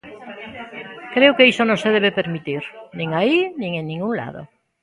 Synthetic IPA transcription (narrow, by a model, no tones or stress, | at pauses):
kɾeokeisonõŋseðeβepeɾmit̪iɾnĩŋainĩŋẽŋnĩŋɡuŋla̰ðʊ̰